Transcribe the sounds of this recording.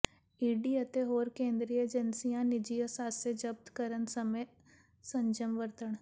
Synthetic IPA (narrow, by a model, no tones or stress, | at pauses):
iːɖiːət̪eɦoːɾkẽːnd̪ɾiːeːd͡ʒənsijãːnɪd͡ʒijəsaːsed͡ʒəb̚t̪kəɾənsəmeː | sə̃ɲd͡ʒəmʋəɾt̪əɳ